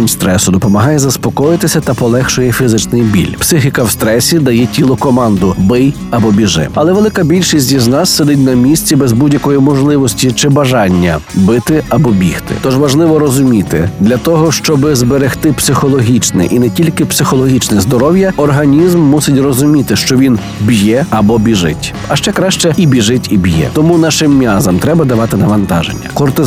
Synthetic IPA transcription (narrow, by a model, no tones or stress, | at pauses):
nʲst̪ɾɛsʊd̪ɔpɔmɐɦɑjɛzɐspɔkɔjɪt̪ɪsʲɐt̪ɐpɔlˠɛxt͡ʃʊjɛfʲizɪt͡ʃnɪjbʲḭlʲpsɪxɪkɐwst̪ɾɛsʲid̪ɐjɛtʲilˠɔkɔmɑnd̪ʊbɪj | ɐbɔbʲiʒɪ̰ɐlˠɛʋe̞lˠɪkɐbʲilʲʃisʲtʲiznɑsːed̪ɪt̬̚ʲnɐmʲisʲt͡sʲibɛzbudʲjɐkɔjimɔʒlˠɪʋɔsʲtʲit͡ʃɪbɐʒɑnʲːɐ̰bɪt̪ɪɐbɔbʲixt̪ɪ̰t̪ɔʒʋɐʒlˠɪʋɔɾɔzʊmʲit̪ɪ̰d̪lʲɐt̪ɔɦɔʃt͡ʃɔbɪzbeɾext̪ɪpsɪxɔlˠɔɦʲit͡ʃnɛ̰ʔinɛtʲilʲkɪpsɪxɔlˠɔɦʲit͡ʃnɛzd̪ɔɾɔwjɐɔrɦɐnʲizmːusɪtʲrɔzʊmʲit̪ɪʃt͡ʃɔʋʲin | bjɛɐbɔbʲiʒɪ̰tʲ | ɐʃt͡ʃɛkɾɑʃt͡ʃɛibʲiʒɪtʲibjɛ̰t̪ɔmunɑʃɪmːʲjazɐmt̪ɾɛbɐd̪ɐʋɑt̪ɪnɐʋɐnt̪ɑʒḛnʲːɐ̰kɔrt̪ɪ